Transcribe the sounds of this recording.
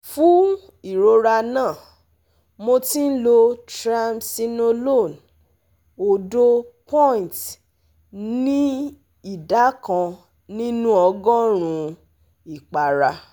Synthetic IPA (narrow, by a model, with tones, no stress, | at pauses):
fũ˦ | i˦˨ɾo˨˧ɾa˧nãː˦˨ | mo˧tĩ˦n̩˦lo˧tɾa˧msi˧nõ˧lo˦˨n | o˧do˦pɔ̃˦ĩ˨t | nĩ˦ | i˦˨da˨˦kã˧ | nĩ˦nũ˦ɔ˧ɡɔ̃˦ɾ̃ũ˨˧ | i˨k͡pa˨ɾa˧